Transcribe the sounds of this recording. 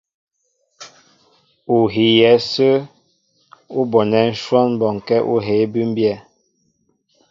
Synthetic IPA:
u˨ɦi˨jɛ˨˦sə˦ | u˦bɔ˨nɛ˨n̩˦ʃwɔ˦n˦bɔ˨ŋ˨kɛ˦ʔu˦ɦe˨˦bʉ˦m˦bjɛ˦˨

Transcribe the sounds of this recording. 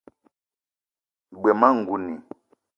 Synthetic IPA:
ɡ͡bwɛ˨ma˦ŋ̩˨ɡu˨ni˨

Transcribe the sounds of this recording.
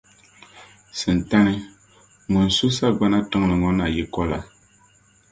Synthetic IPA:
sɨ˨n̩˨ta˦nɨ˦ | ŋɔ˨n˨su˦sa˦ɡ͡ba˦na˦tɨ˦ŋ˨lɨ˨ŋɔ˦na˨ji˦kɔ˦la̰˨

